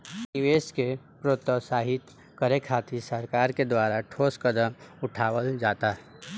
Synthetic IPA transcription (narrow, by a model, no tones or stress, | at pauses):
nɪʋeːske | pɾot̪əsaːɦɪt̪ | kəɾekʰaːt̪isəɾkaːɾked̪waːɾaʈʰoːskəd̪əmʊʈʰaːwəld͡ʒaːt̪aɦ